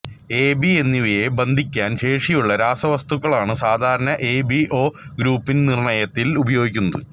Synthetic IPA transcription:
e̞ːbie̞nːiʋijebɐnd̪ʱikʲːaːnɕe̞ːʂijuɭːɐɾaːsɐʋɐst̪uɣːɐɭaːɳɨsaːd̪ʱaːɾɐɳɐʔeːbiʔo̞ːɡɾuːpːinnirɳɐjɐt̪ːilubɐjo̞ːɡikʲːunːɐðɨ

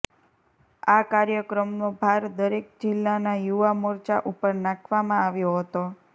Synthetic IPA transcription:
akaɾjəkɾəmnobʱaɾd̪əɾek̚d͡ʒɪlːanajuʋamoɾt͡ʃa̰ʔupəɾnãkʰʋamãaʋjoɦət̪o

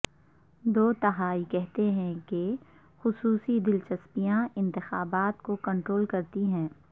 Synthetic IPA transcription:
d̪oːt̪ɐɦaːikɛɦt̪eɦɛ̃ke | xʊsuːsid̪ɪlt͡ʃɐspijãɪ̃nt̪ɪxaːbaːt̪kokɐ̃ɳʈɾoːlkɐɾt̪iɦɛ̃ː

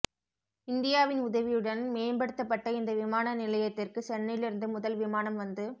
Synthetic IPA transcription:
ɪnd̪ɪjaːʋɪnʊðɐʋɪjɯɽɐnmeːnbɐɽɯt̪ːɐpːɐʈːɐɪnd̪ɐʋɪmaːnɐnɪlɐjɐt̪ːɪrkɯsɛnːɪjɪlɪɾɯnd̪ɯmʊðɐlʋɪmaːnɐmʋɐnd̪ɯ

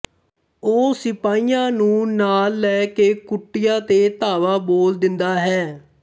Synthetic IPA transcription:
oːsɪpaːiːjãːnũːnaːlːɛːkeːkʊʈːɪjãːt̪eːt̪aːʋaːboːld̪ɪnd̪aːɦɛː

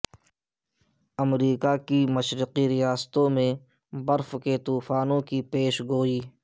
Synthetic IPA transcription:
əmɾiːkakiməʃɾqiɾɪjaːst̪õmẽ | bəɾfket̪uːfaːnõkipeːʃɡoːiː

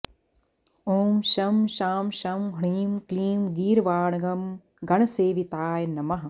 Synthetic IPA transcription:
oːmʃɐmʃaːmʃɐmɡʱɐɳiːmkliːmɡiːɾʋaːɳɐɡɐm | ɡɐɳɐseːʋit̪aːjnɐmɐɦɐ

